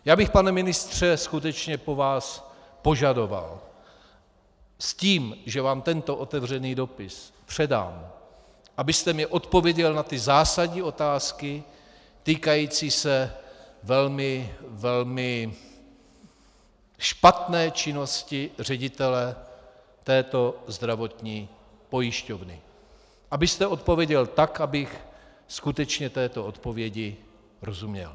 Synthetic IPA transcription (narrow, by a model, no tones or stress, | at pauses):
jaːbɪxpanɛmɪnɪst̪r̝̥ɛskut̪ɛt͡ʃɲɛpo̞vaːs | po̞ʒado̞va̰l | sciːmʒɛvaːmt̪ɛnt̪o̞ʔo̞t̪ɛvr̝ɛniːdo̞pɪspr̥ɛda̰ːm | ʔabɪst̪ɛmɛʔo̞t̪po̞vjɛɟɛlnat̪ɪzaːsaɟɲiːo̞t̪aːskɪ | t̪iːkajiːt͡siːsɛvɛlmɪvɛlmɪ | ʃpat̪nɛːt͡ʃɪno̞scɪr̝ɛɟɪt̪ɛlɛ | t̪ɛːt̪o̞zd̪ɾavo̞t̪ɲiː | po̞jɪʃcovnɪ̰ | ʔabɪst̪ɛʔo̞t̪̚po̞vjɛɟɛlt̪akʔabɪx | skut̪ɛt͡ʃɲɛt̪ɛːt̪o̞o̞t̪po̞vjɛɟɪ | ɾo̞zumɲɛ̰l